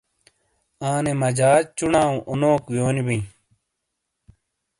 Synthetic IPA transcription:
ãːnemɐd͡ʑaːd͡ʑt͡ɕunaːũʔonoːkwjoːnibĩ

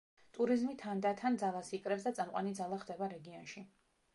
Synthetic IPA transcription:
t̪ʼuɾizmit̪ʰand̪at̪ʰand̪zalˠasikʼɾɛpsd̪at̪sʼamqʼwa̰nid̪zalˠaχd̪ɛbaɾɛɡiɔnʃi

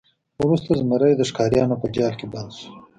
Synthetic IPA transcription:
ɾust̪azmɐɾajd̪əʂkɑːɾjɑːnopəd͡ʒɑːlkeband̪su̥

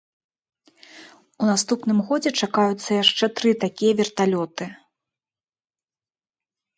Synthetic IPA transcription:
unast̪upnɨmɣɔd͡zʲɛt͡ʂakajut̪sːɐjaʂt͡ʂɛt̪ɾɨt̪akʲijɐvʲɛrt̪alʲɔt̪ɨ

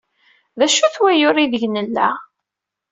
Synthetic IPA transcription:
ðæʃuθwæjʊɾiðəʝnəlːæ

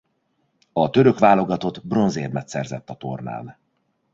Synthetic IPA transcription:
ɒt̪ø̞ɾø̞kʋaːlo̞ɡɒt̪o̞t̪bro̞nzeːrmɛt̪sɛrzɛt̪ːɒt̪o̞̰rna̰ːl

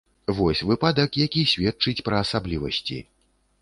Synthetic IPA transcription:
vɔsʲvɨpad̪ɐkjakʲisʲvʲɛt̚t͡ʂɨt͡sʲpɾɐːsablʲivɐ̰sʲt͡sʲḭ

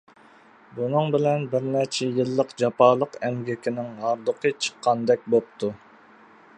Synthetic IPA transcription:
bunɨŋbɪlɛnbɪɾnɛt͡ʃʰɛjilˠːəqd͡ʒɑpɑːlˠəqɛmɡʲɪkʲʰɪnɪŋɦɑɾd̪əqʰət͡ʃʰə̥qʰːɑnd̪ɛk̚ʲbop̚t̪ʰu

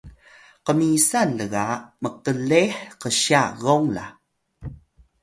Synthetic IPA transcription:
qəmisanːəɣaməqəleħqəɕaɣoŋla̰

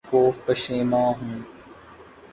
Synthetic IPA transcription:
koːpəʃẽːmãːɦũː

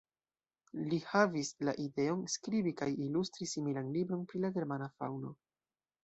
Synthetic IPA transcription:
lihavisla̰ʔide̞o̞nskɾibikajilustɾisimilanlibɾo̞npɾilaɡe̞ɾmanafa̰wno̞

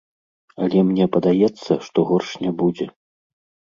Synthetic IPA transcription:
ɐlʲɛmnʲɛpɐd̪ajɛt̪sːɐʂt̪ɔɣɔrʂnʲɛbud͡zʲɛ

